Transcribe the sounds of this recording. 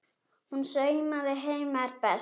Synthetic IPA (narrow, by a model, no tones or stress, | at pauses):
hunsœːɥmaðɪɦejmaɾpɛ